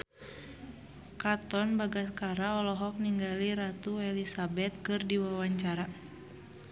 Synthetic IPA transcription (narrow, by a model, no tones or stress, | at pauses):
kat̪ɔnbaɡaskaɾaɔlɔɦɔk̚niŋɡaliɾat̪uɛlisabɛt̪̚kɨrdiwawaɲt͡ʃaɾa